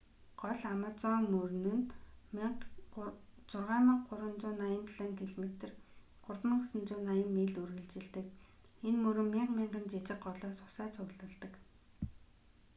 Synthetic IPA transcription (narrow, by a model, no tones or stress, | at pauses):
ɢ̥ɔɮamăt͡sɔːŋmɵrnɵ̆nm | t͡sʊrʁaːmiɴqɢʊɾə̆nt͡sʊːnajə̆nt̪ʰɮăŋkʰiɮmet̪ɘ̆r | ɢ̥ʊrtmə̆ŋsə̆nt͡sʊːnajə̆mmeːɮɵrɣɘ̆ɮt͡ɕɪ̆ɮt̪ɘ̆k | enmɵɾɵ̆mmiɴqmiɴɢə̆nt͡ɕit͡ɕɪ̆qɢɔɮɔːsʊ̥sæːt͡sʰʊɣɮə̆ɮt̪ə̆k